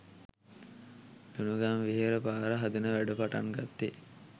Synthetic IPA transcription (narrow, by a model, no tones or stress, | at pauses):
unuɡaŋʋeɦeɾəpaːɾəɦad̪ɐnəʋæɖəpaʈa̰ŋɡat̪ːe